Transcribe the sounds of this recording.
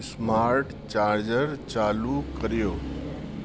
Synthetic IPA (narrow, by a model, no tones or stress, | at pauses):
smaɾʈ | t͡ɕaɾd͡ʑəɾt͡ɕaːlukəɾijoː